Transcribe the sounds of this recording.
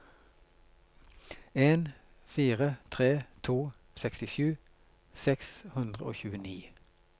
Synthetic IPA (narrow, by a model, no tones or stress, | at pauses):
eːn | fiːʁət̪ʰʁeːt̪ʰuː | sɛkst̪ɪʃjʉː | sɛkshʉnd̪ʁəo̰ːçʉːəniː